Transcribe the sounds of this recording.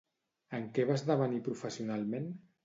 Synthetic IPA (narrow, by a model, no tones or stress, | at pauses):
əŋkɛβ̞azðəβənipɾufəsiunalˠmen